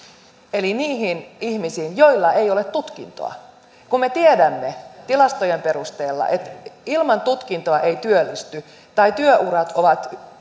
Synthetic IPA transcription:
e̞liniːɦinihmisiːnjojlːɑe̞jolet̪t̪ːut̪kḭnt̪o̰ɑ̰ | kummːe̞t̪iedæmːet̪ilɑst̪ojempe̞ɾust̪e̞ːlːɑ̰ʔet̪ilmɑnt̪ut̪kint̪oɑʔejt̪yølːist̪y | t̪ɑit̪yøʔurɑt̪ʰoʋɑt̪

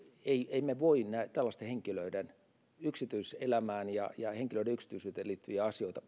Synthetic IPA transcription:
eieimeʋoinnæet̪ælːɑst̪eheŋkiløiden | yksit̪yiselæmæːnjɑ̰jɑheŋkiløideyksi̥t̪ysyːt̪eliːt̪ːyjæɑsijoit̪ɑ

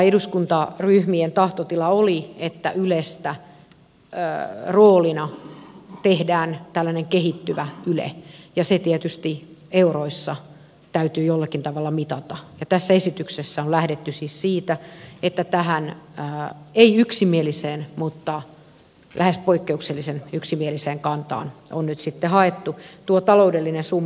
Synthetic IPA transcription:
eduskunt̪ɑryhmient̪ɑht̪ot̪ilɑoliet̪ːæ̰ʔylest̪æ | ə̰ːroːlinɑ | t̪ehdæːnt̪ælːæneŋkeɦit̪ːyʋæylḛjɑset̪iɛt̪yst̪ieuroisːɑ | t̪æyt̪yːjolːɑkint̪ɑʋɑlːɑmit̪ɑt̪ɑjɑt̪æsːæesit̪yksesːæollæhdet̪ːysiːssiːt̪æet̪ːæt̪æhænəeiyksimieliseːnmut̪ːɑ | læhespoikːeukselːisenyksimieliseːŋkɑnt̪ɑ̰ːno̰nnyt̪sit̪ːehɑet̪ːut̪uot̪ɑloudelːinensumː

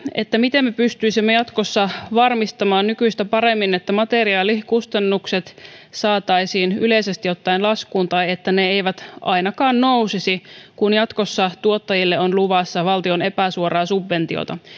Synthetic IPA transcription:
ḛt̪ːæmit̪emːepyst̪yisimːejɑt̪kosːɑʋɑrmist̪ɑmɑːnnykyist̪æpɑɾe̞mːinet̪ːæmɑt̪eɾiɑːlikust̪ɑnːukset̪sɑːt̪ɑisiːnyleisest̪ijo̞t̪ːɑinlɑskuːnt̪ɑjet̪ːæneejʋæt̪ʔɑ̰jnɑkɑːnnousisikunjɑt̪ko̞sːɑt̪uot̪ːɑjilːeonluʋɑsːɑʋɑlt̪io̞ne̞pæsuoɾɑːsubʋe̞nt̪io̰t̪ɑ

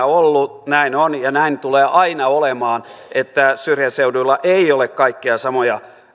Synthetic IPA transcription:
olːunæinonjɑnæint̪uleːʔɑinɑolemɑːnʔet̪ːæsyrjæseudulːɑʔeiolekkɑikːiɑsɑmojɑ

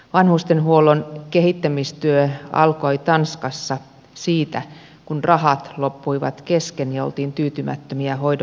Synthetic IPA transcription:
ʋɑnhust̪enɦuolonkeɦit̪ːæmist̪yøɑ̰lkoolit̪ɑnskɑsːɑ | siːt̪æ | kunrʔɑhɑt̪lopːuiʋɑ̰t̪keskenjɑolt̪iːnt̪yːt̪ymæ̰t̪ːømiæɦoid

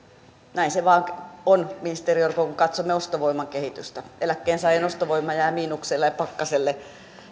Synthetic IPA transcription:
næinseʋɑːŋonminist̪eriorkokuŋkɑt̪somːeost̪oʋoimɑŋkehit̪yst̪æelækːeːnsɑienost̪oʋoimːˑɑjæːmiːnukselːejɑpɑkːɑselːe

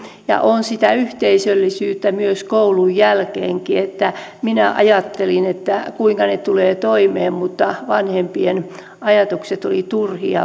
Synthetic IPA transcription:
jɑ̰ʔonsit̪æyht̪eisølːisyːt̪ːæmyøskoulujjælkeːŋkiet̪ːæminæʔɑ̰jɑt̪ːelinet̪ːækuiŋkɑnet̪uleːt̪oimeːmmut̪ːɑʋɑnhempien | ɑjɑt̪ukset̪olit̪urhiɑ̰

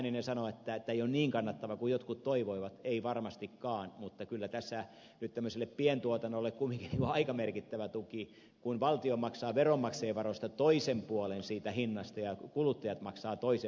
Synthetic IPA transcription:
ninesɑnoet̪ːæet̪ːæeijonniːŋkɑnːɑt̪ːɑʋɑkujot̪kut̪toiʋoiʋɑt̪eiʋɑrmɑst̪ikkɑːnmut̪ːɑkylːæt̪æsːæ | nyt̪t̪æmːøselːˑeppient̪uot̪ɑnːolːekkumːˑiŋkiniːŋkoɑikɑmerkit̪ːæʋæt̪uki | kunʋɑlt̪iomɑksɑːʋeromːɑkseːʋɑrost̪ɑt̪oisempuolensiːt̪æhinːɑst̪ɑjɑkulut̪ːɑjɑt̪mɑksɑːt̪oise

